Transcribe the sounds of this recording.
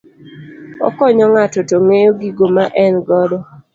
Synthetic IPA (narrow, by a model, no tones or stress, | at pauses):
ɔ̰kɔɲɔŋatɔtoŋejoɡiɡomaʔɛnɡɔdɔ